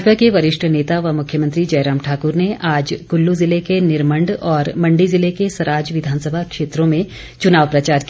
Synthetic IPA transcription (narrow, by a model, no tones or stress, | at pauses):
d͡ʒbʱakeʋɐɾɪʃʈʰəneːt̪aʋɐmʊkʰjəmɐ̃nt̪ɾid͡ʒɐjɾaːmʈʰaːkʊɾneʔaːd͡ʒkʊlːuzɪlekenɪɾmə̃ɳɖɔːɾmɐ̃ɳɖizɪlekesɐɾaːd͡ʒʋɪd̪ʱaːnsəbʱakʃeːt̪ɾõmẽ | t͡ʃʊnaːʋpɾɐt͡ʃaːɾki